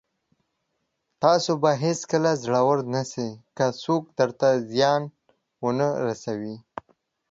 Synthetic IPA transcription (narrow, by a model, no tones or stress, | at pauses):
t̪ɑsobaɦeskəlazɽawəɾnasekasok̚d̪əɾt̪azjɑn | wʊnəɾasawi